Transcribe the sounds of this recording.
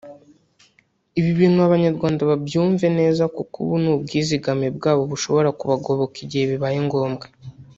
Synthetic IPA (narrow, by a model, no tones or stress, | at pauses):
iβiβiːnuaβaɲaɾɡwaːndaβabjuːɱve̞ne̞ːzakukṵβunuːbɡiːziɡamebɡaːβo̞βuʃo̞βo̞ɾakuβaɡo̞βo̞kiɟiheβiβajiŋɡo̞ːmbɡḁ